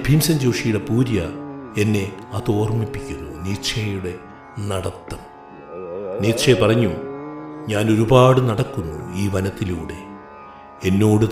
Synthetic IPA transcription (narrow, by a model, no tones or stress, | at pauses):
bʱiːmsɐnd͡ʑowʂijuɽe̞puːɾjɐe̞nːe̞ɐðo̞ːrmipːikʲːunːuniːʂɐjuɽe̞ | nɐɽɐt̪ːɐm | niːtʂɐjɐpɐrɐɲːu | ɲaːno̞ɾubaːɽɨnɐɽɐkːunːṵiːʋɐnɐt̪ːiluːɽe̞̰ | enːo̞ːɽu